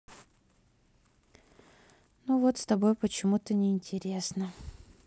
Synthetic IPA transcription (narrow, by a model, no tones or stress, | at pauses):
nuvot̪st̪ɐbo̞jpət͡ɕɪmut̪ənʲɪɪnʲtʲɪɾʲe̞snə